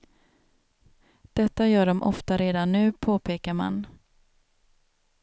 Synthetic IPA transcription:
d̪̥ɛt̪ːajœːɖɔmʔɔ̰ft̪aɾeːd̪anːʉ̟ːpʰoːpʰeːkaɾma̰n

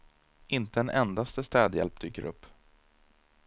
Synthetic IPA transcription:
ʔɪnt̪əɛnʔɛnd̪ast̪əst̪ɛːd̪jɛ̰lp̚d̪yːkə̰ɾʔɵ̰pː

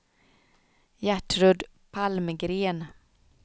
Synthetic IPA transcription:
jæʈɾɵd̪pʰalmɡɾeːn

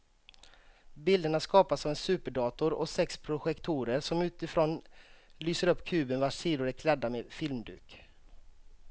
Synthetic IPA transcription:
bɪld̪əɳaskɑːpasɔvɛnsʉːpəɖɑːt̪ʊɾɔsɛkspʰɾʊɧɛkt̪ʰuːɾəɾʂɔmʉ̟ːt̪ɪfɾoːnlyːsəɾɵpːkʰʉ̟ːbənvaʂiːd̪ʊɾɛkʰlɛd̪ːamefɪlmd̪ʉ̰ːk

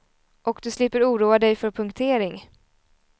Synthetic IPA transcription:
ʔɔkd̪ɵslɪpːəɾuːɾuːad̪ɛjfœɾpʰɵŋkt̪ʰeːɾɪŋ

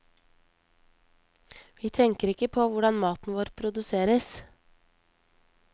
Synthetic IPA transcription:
ʋiːt̪ʰɛŋkəɾɪkəpʰoːʋʊɖɑnmɑːt̪n̩ʋoːɾpʰɾʊd̪ʉseːɾəs

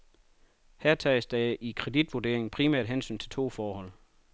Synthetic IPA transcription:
hæɐ̰t͡sʰɛ̰ːsd̥ɑikʰʁɛd̥id̥ʋude̝ɐ̰e̝ŋn̩pʰʁimæɐ̰d̥ɦensy̰ːnt͡sʰe̝lt͡sʰo̝̰ːfɒːhɒ̽l̰

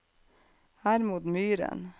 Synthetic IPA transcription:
hæːɾmuːd̪myːɾə̰n

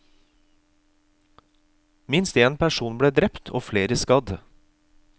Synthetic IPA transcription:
mɪnst̪eːnpʰæʃuːnbɽeːd̪ɾɛpt̪ʰo̰ːfleːɾəskɑd̪

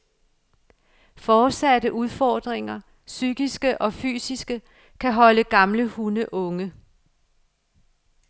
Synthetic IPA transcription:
fɒ̥ːsædəʔuð̞ˠfɒːd̥ʁeŋɐ | syɡ̥isɡ̥əʔɒ̽fy̰ːsisɡ̥ə | kʰæɦɒ̽ləɡ̥ɑ̈mləhunəʔɔ̽ŋə

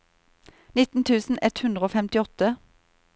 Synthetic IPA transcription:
nɪt̪n̩t̪ʰʉːsn̩ɛt̪hʉnd̪ʁəoːfɛmt̪ɪɔt̪ə

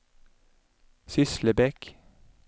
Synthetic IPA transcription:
sʏsləbɛk

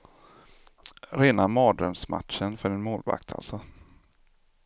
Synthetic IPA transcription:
ɾeːnamɑːd̪ɾœmsma̰t̪ʂənfœɖɛnmoːlva̰k̚t̪ʰa̰lsɔ

